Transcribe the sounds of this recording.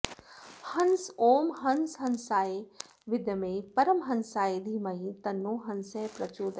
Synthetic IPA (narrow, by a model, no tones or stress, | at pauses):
hɐnsoːmɦɐnsɦɐnsaːe | ʋɪd̪jɐmẽːpɐɾɐmɦɐnsaːed̪ʱiːmaĩt̪ɐnːoːɦɐnsɛːpɾɐt͡ʃuːd̪